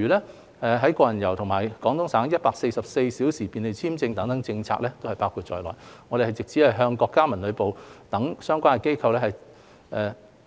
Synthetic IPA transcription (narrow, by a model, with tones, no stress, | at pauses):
yː˨lɛː˥ | ɛː˨˧ɦɐ˨˥jkɔː˧jɐ˨˩njɐ˨˩wt̪ʰʊ˨˩ŋmaː˨˩jkɔː˨˥ŋt̪ʰʊ˥ŋsaː˨˥ŋjɐ˥t̚paː˧k̚se˧jsɐ˨p̚se˧jsiː˨˥wsiː˨˩piː˨˧nle˨˧jt͡sʰiː˥mt͡sɪ˧ŋt̪ɐ˨˥ŋt̪ɐ˨˥ŋt͡sɪ˧ŋt͡sʰa̰ː˧k̚lɛː˥t̪o˥whɐ˨jpaː˥wkʰu˧t̚t͡ʃɔː˧jlɔ̰ː˨˩jŋɔː˨˧˥ɾe˨˩hɐ˨jt͡sɪ˨k̚t͡sʰiː˨˥hɐ˨jɦœː˧ŋkɔː˧kːaː˥mɐ˨˩nlɵ˨˧ɥpo˨wt̪ɐ˨˥ŋsœː˥ŋkʷaː˥nkɛ˨˧ke˥jkʰɐ˧wlɛː˥hɐ˨j | ʔɛ˨˧